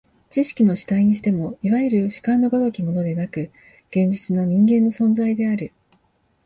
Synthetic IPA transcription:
t͡ɕiɕi̥kʲino̞ɕi̥t̪aiɲ̟iɕ̬i̥t̪e̞mo̞iβaɯɾɯ̟ɕi̥kãnːo̞ɡod̪o̞kʲimo̞no̞d̪e̞nakɯ̟ | ɡ̥ẽ̞ɲ̟d͡ʑit͡sɨno̞ɲ̟ĩŋɡẽnːo̞sõ̞nd͡zaid̪e̞aɾɯ̟

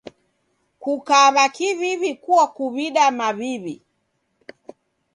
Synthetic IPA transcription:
kukaβakiβiβikuakuβiɗamaβiβi

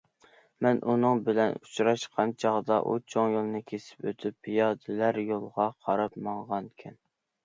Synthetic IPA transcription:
mɛnʔunɨŋbɪlɛnut͡ʃɾɑʃqʰɑnt͡ʃʰɑʁd̪ɑʔut͡ʃʰoŋjolˠnɨkʲʰesɪ̥pø̰t̪ʰypːijɑːd̪ɪlæɾjolˠʁɑqʰɑɾɑpmɑŋʁɑnkʲʰɛn

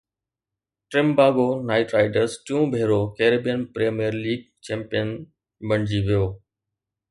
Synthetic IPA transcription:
ʈɾɪmbaːɡoːnaːɪʈɾaːɪɖəɾzʈijũːbʱeːɾoːkeːɾebijənpɾeːmijəɾliːɡ̚t͡ɕɛ̃ːmpijən | bɐɳ̃d͡ʑiʋijoː

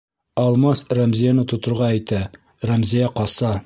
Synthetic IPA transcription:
ɒlˠmɑsræmzijanɤt̪ŏt̪ŏɾʁɑæjt̪æ | ræmzijæqɒsɑ

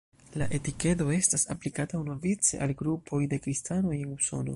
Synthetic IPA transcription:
laʔe̞tike̞to̞e̞stasa̰plikataunovit͡se̞ʔalɡɾupʰo̞jde̞kɾistano̞jenuso̞̰no̞̰

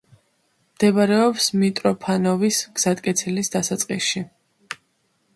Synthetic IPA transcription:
md̪̥ɛbaɾɛɔpsmit̪ʼɾɔpʰanɔvisɡ̥z̥at̪̚ʼkʼɛt̪sʰɛlisd̪asat̪sʼqʼisʃi

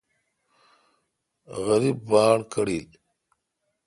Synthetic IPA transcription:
ɣɐɾibːaːɽkɐɽil

